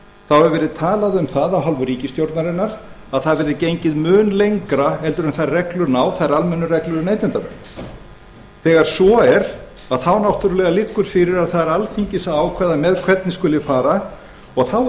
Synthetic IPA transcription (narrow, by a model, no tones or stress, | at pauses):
θawɛɾvɛːɾɪðt̪ʰaːlaðʏmθaðawɦalvʏɾiːcɪst̪jowɾt̪naɾɪnːaɾ̥ | aðθaðvɛːɾɪðcejɲcɪðmʏːnlejŋkɾaɛlt̪ʏɾʏmθaðrɛklʏɾnaːwθaðɾalmɛnːʏɾɛklʏɾnejt̪nɪnt̪avɛ̰ | θɛːɣaɾ̥svɔɛɾ̥ | aðθawnawht̪ʏɾʏlɛɣalɪkːʏɾ̥fɪɾɪɾaðθaðɾalθiɲcɪsaawkʰvɛːðamɛðkʰvɛt̪nɪskʏlɪfaːɾa | ɔɣθaw